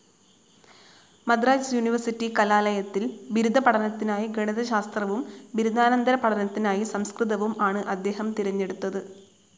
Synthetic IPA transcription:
mɐd̪raːd͡ʑjuniʋɐrsitːikɐlaːlɐjɐt̪ːilbiɾud̪ʱɐpɐɽɐnɐt̪ːinaːjiɡeɳiðɐɕaːst̪rɐʋumbiɾud̪ʱaːnɐnd̪ɐɾɐpɐʈʰɐnɐt̪ːinaːjisɐmskrɨðɐʋumaːɳɨʔɐd̪ːe̞ːɦɐmt̪iɾɐɲːe̞ɽut̪ːɐðɨ

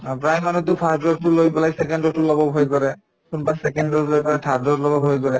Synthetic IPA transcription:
pɹajmanut̬ʊpʰastɔtʊlojpɛlajsɛkɛndɔtʊlɔbɔbʱojkɔɹɛ | kunpasɛkɛndɔɹlojplajtʰadɔtlɔbɔbʱojkɔɹɛ

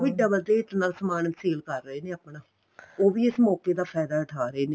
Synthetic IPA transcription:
ʋiːɖəbəld̪eːɪt̪naːlsəmaːnənseːlkəɾːəeːneːəpnaː | oːʋiːɪsmɔːkeːd̪aːpʰɛːd̪aːʊʈʰaːɾəeːneː

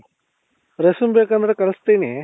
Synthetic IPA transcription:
ɾesumbeːkɐnd̪ɾɐkɐlst̪eːne

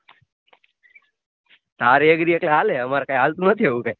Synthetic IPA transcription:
t̪aɾeəɡɾiəkleɦaleəmaɾakajɦalt̪ũnət̪ʰiɦeʋukaj

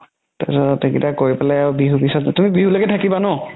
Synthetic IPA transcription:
tasɔtekitakoɹipalaabiɦubisɔttumibiɦulaɡɛtʰakibanɔ

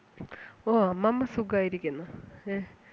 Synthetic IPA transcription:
oːmɐmːɐsuɡaːjiɾikʲːunːɐe

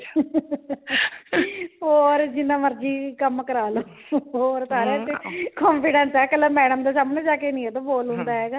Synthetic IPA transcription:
ɦoːɾd͡ʒɪnːãːməɾd͡ʒiːkəmkəɾaːloː | oːɾsaːɾɛːt̪ekɔːmpʰɪɖənsɛːkələmɛːɽəmd̪aːs̬aːmənãːd͡ʒaːkeːnĩːɛːt̪ãːboːlɦʊ̃nd̪aːɦɛːɡaː

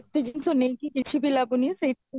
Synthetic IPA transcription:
t̪iɡinsonekikit͡ʃʰibʱilabunise

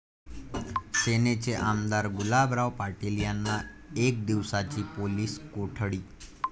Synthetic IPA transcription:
senet͡seʔamd̪aɾɡulabɾaʋpaʈilijanːaek̚d̪iʋsat͡ɕiːpoliːskoʈʰɽiː

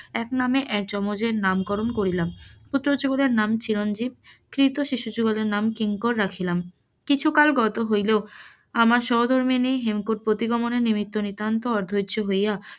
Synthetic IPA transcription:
ɛknameʔɛk̚d͡ʑɔmod͡ʑeɾnamkɔɾonkoɾilamput̪ːɾod͡ʑuɡoleɾnamt͡ɕiɾond͡ʑib̚kɾit̪oʃiʃud͡ʑuɡoleɾnamkiŋkoɾːakʰilam | kit͡ɕʰukalɡɔt̪oɦojleo | amaɾʃɔɦod̪ʱoɾmieniɦemkoʈ̚pɾot̪iɡɔmoneɾnimit̪ːonit̪ːant̪oɔɾd̪ʱodd͡ʑoɦoja

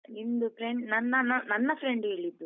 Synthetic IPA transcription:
ind̪upɾeɳɖnɐnːɐnɐnɐnːɐpɾeɳɖɦeːɭid̪ːu

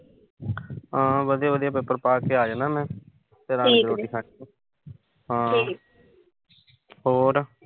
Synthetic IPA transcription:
ãːʋəd̪ijaːʋəd̪ijaːp̬ɪpːəɾpaːkeːaːd͡ʒaːnaːmɛ̃ː | t̪eɾãːnẽːloːʈiːkʰã | ɦãː | ɦoːɾ

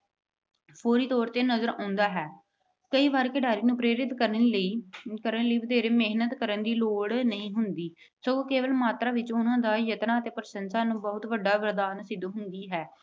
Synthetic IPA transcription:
pʰoːɾiːt̪ɔːɾt̪eːnəzəɾã̰ːnd̪aːɦɛː | kəiːʋaːɾkeɖaːɾiːnũːpɾeːɾɪt̪kəɾləiːkəɾənləiːʋəd̪eːɾeːmeɦnət̪kəɾənd̪iːloːɽnəĩːɦʊnd̪iː | sokeːʋəlmaːt̪ɾaːʋɪt͡ʃʊnãːd̪aːjət̪nãːət̪eːpəɾəsənsaːnũːbəɦʊt̪ʋəɖːaːʋəɾd̪aːnsɪd̪uːɦʊnd̪iːɦɛː

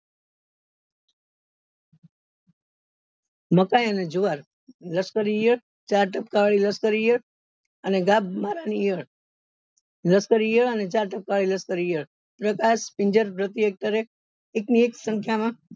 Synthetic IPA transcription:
məkajəned͡ʒuʋaɾ | ləskəɾijəɭ | t͡ʃaɾʈəp̚kaɭiləskəɾijəɭ | əneɡabmaɾanijəɭ | ləskəɾijəɭənet͡ʃaɾʈəp̚kaɭiləskəɾijəɭ | pɾəkaʃpĩɲd͡ʒəɾpɾət̪iek̚ʈəɾe | eknieksə̃ŋkʰjamã

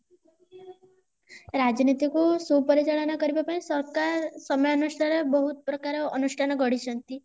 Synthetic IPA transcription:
ɾad͡ʒnit̪ikusupɔɾit͡ʃaɭɔnakɔɾibapaĩsɔɾkasɔmjɔnusʈʰaɾebɔɦut̪̚pɾɔkaɾeːnuʃʈʰanɔɡɔɽit͡ʃʰɔnt̪i

